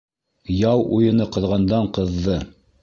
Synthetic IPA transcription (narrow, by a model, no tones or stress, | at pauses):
jɑwʔujɤ̆nɤqɤ̆ðʁɑnd̪ɑɴqɤ̆ðːɤ